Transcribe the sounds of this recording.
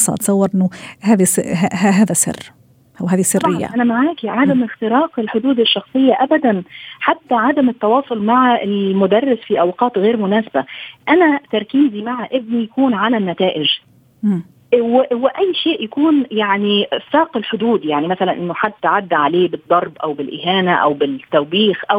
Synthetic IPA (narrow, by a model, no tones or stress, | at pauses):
sˤɑ̰t̪sˤɑwːɑɾʔɪnːʊhæːðishɦæːðæsɪ̰rː | ʔæwɦæːðisɪrɪjːæ̰ʔænæmaʕaːkiʕad̪æmɪxt̪ɪɾɑːqɪlħʊd̪uːd̪ɪʃːɑxsˤɨjːaʔabæd̪ænħat̪ːaʕad̪amɪt̪ːɑwɑːsˤolmaʕaɪlmʊd̪ɑrˤːɪsfiʔawqɑːt̪ɣeːɾmʊnæːsaba̰ʔænæt̪ɑɾˤkiːmzimaʕaʔɪb̚nijakuːnʕalænːæt̪aːʔɪʒ | wwɪʔæjːʃeːʔjakuːnjaʕnisɑːqɪlħʊd̪uːd̪jaʕnimæsælænʔɪnːʊħad̪ːaʕad̪ːʕaleːbɨd̪ˤːɑɾˤbʔawbɪlʔɪɦaːnaʔæ̰wbɪt̪ːawbiːxʔa